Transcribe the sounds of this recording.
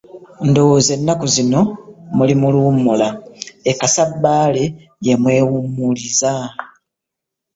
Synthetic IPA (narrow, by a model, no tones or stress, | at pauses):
ndo̞woze̞nːakuzino̞mulimulumːulaekasabːaːle̞ | jemwe̞ːwumːuliza